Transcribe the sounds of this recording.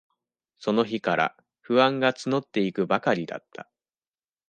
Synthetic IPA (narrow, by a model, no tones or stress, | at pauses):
so̞no̞çikaɾa̰ | ɸɯ̟ãŋɡat͡sɨno̞t̪ːe̞ikɯ̟bakaɾʲid̪a̰t̪ːa